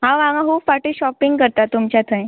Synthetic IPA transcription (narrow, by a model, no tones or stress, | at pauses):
ɦãʋãŋãɦuːpfaʈiɕɔpiŋɡkəɾt̪at̪ːumt͡ɕjat̪ə̃j̃